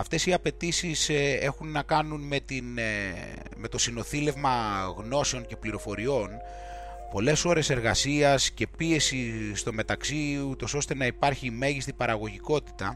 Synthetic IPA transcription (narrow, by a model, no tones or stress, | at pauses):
ɐft̪e̞siɐpe̞t̪isise̞xunːɐkɐnunme̞t̪in | me̞t̪o̞sino̞θile̞vmɐɣno̞se̞o̞ŋce̞pliɾo̞fo̞ɾio̞n | po̞le̞so̞ɾe̞se̞ɾɣɐsiɐsce̞pie̞sist̪o̞me̞t̪ɐksiut̪o̞so̞st̪enɐipɐɾçime̞ʝist̪ipɐɾɐɣo̞ʝiko̞t̪i̥t̪ɐ